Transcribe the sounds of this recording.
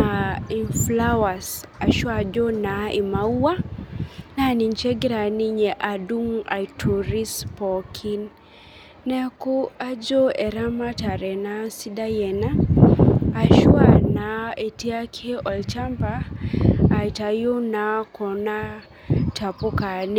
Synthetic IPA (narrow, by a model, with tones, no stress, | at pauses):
ai˨nfla˦wa˨sa˨ʃwad͡ʒo˦nai˨mau˦wa˦ | nani˨nt͡ʃɛ˦ɡiɾa˨ni˦ɲɛ˨ʔa˨du˦ŋa̰˨jtʰu˨ɾi˦spɔkʰinː | ɛ˦ku˦a˦d͡ʒo˦ɛ˨ɾa˦ma˦ta˨ɾɛ˨nasi˦da˦jɛ˨naː˦˨ | ʃwanae˨ti˦a˦kʰe˦ɔ˨lt͡ʃa˦mbaː˦˨ | ita˨jo˦nakʰɔ˨na˦ | tʰa˨po˦ka˨n